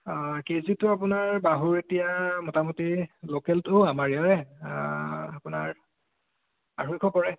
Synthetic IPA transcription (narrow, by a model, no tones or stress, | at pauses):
kezitʊap̬ʊnaɹbaɦuɹetijamɔtamutilokɛltʊamaɹiaɹɛ | apʊnaɹ | aɹujkʰɔpɔɹɛ